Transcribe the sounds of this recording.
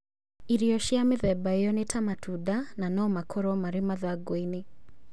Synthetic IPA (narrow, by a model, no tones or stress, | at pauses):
iɾiɔʃiameðɛbaejɔnetʰamatʰudananɔmakʰɔɾɔmaɾemaðaɡwine